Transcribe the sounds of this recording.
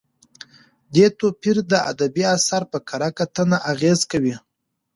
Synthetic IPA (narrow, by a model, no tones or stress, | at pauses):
d̪et̪opiɾd̪əa̰d̪abiasaɾpəkʰaɾakat̪ənaʔaɣezkawi